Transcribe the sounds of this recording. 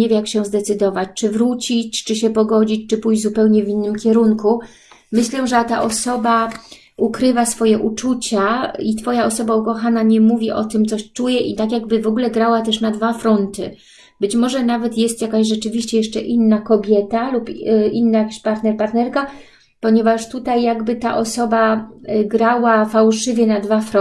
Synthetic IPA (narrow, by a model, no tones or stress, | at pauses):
evʲjakɕɛzd̪ɛt̪sɘd̪ɔvat͡ɕt͡ʂɘvɾut͡ɕit͡ɕt͡ʂɘɕɛpɔɡɔd͡ʑit͡ɕt͡ʂɘpujd͡ʑzupɛwɲɛvʲinːɘmkʲɛɾuŋku | mɘɕlɛʐɛt̪aʔɔsɔba | ukɾɘvasfɔjɛʔut͡ʂut͡ɕait̪fɔjaɔsɔbaukɔxanaɲɛmuvʲiʔɔt̪ɘmt̪sɔɕt͡ʂujɛʔit̪akjaɡbɘvɔɡulɛɡɾawat̪ɛʂnad̪vafɾɔnt̪ɘ̰ | bɘt͡ɕmɔʐɛnavɛt̪jɛst̪jakaɕʐɛt͡ʂɘvʲiɕt͡ɕɛjɛʂt͡ʂɛʔinːakɔbʲjɛt̪alupinːajakʲaɕpaɾt̪nɛɾpaɾt̪nɛɾka | pɔɲɛvaʂt̪ut̪ajːaɡbɘt̪a̰ʔɔsɔbaɡɾawafawʂɘvʲjɛnad̪vafɾɔ